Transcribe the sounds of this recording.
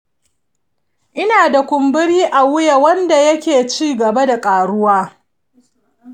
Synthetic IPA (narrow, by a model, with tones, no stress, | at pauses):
ʔɪ˦naː˨da˨kʷʊ˨mbɪ˦ɽiː˦ʔa˨wʊ˦ja˨wɐ˦nda˨jɐ˦kʲeː˨t͡ʃiː˦ɡɐ˨ba˦da˨kʼaː˨ɽʊ˦waː˦